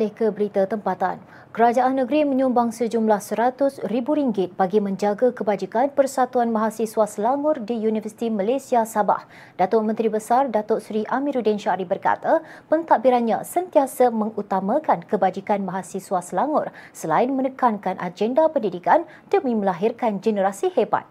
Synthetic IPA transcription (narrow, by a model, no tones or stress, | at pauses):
lɪhkəbəɾit̪at̪əmpat̪a̰n | kəɾad͡ʒaʔanːəɡɾimə̃ɲumbaŋsəd͡ʒumlahsəɾat̪ʊsribuɾiŋɡɪt̪̚b̥aɡimə̃ɲd͡ʒaɡakəbad͡ʒikanpərsat̪uanbaɦasisuasəlaŋʊrdijunivərsi̥t̪imalesiasaba̰h | dat̪ʊrmə̃nt̪ɾibəsardat̪ʊsɾiʔamĩɾudɛnʃaɾibərka̰t̪apənt̪aʔbiɾanɲã̰sənt̪iasəmə̃ŋut̪amãkankəbad͡ʒikanbaɦasisuasəlaŋʊrsəlaɪnmənəkankanʔa̰d͡ʒɛndapəndidikan | d̥əmĩməlaɦɪrkand͡ʒənəɾasiheba̰t̪̚